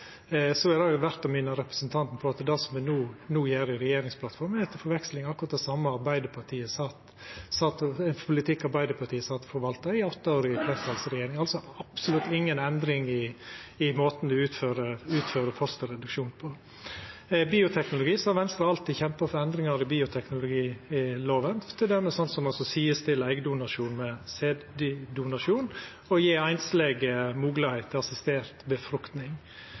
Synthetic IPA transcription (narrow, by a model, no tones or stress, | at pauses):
sɔɛd̪ɑʋæɾt̪ɔmɪnɑɾɛpɾəsənt̪ʰɑnt̪n̩pʰɔɑt̪d̪ɑsɔmʋɛnuːnuːjeːɾɪɾɛjeːɾɪŋspʰlɑt̪fɔɾmhæɪt̪ːəfɔɾʋɛkslɪŋɑkʊɾɑt̪d̪ɛsɑmːəɑɾbæɪd̪əɾpʰɑʈʰiːəsɑːt̪ | sɑːt̪ɔɛnpʰʊlɪt̪ʰɪkːɑɾbæɪd̪əɾpʰɑʈiːəsɑːt̪fɔɾʋɑlt̪ɑɪɔt̪ːəoːɾɪəpʰɾɛst̪ɑlsɾɛjeːɾɪŋɑlsɔɑpsʊlʉt̪ːɪŋːənɛnd̪ɾɪŋɪɪmoːt̪nd̪ʉʉːt̪føːɾəʉːt̪føːɾəfɔst̪əɾɛd̪ʉkʃuːnpʰɔd̪ɛ | biːʊt̪ʰɛknʊlʊɡiːsɔhɑɾʋɛnst̪ɾɑɑlt̪ɪçɛmpəfɔɾɛnd̪ɾɪŋɑɾɪbiːʊt̪ʰɛknʊlʊɡiːɪloːʋənt̪ʰɪld̪ɛmːəsɔnt̪sɔmɑlsɔsiːəst̪ʰɪlæɪɡəd̪ʊnɑʂuːnmɛseːd̪d̪ɪd̪ʊnɑʂuːn | ɔjiːæɪnslɛɡəmuːɡləhæɪt̪ʰːɪɑsɪst̪eːɾt̪bəfɾʉkt̪nɪŋ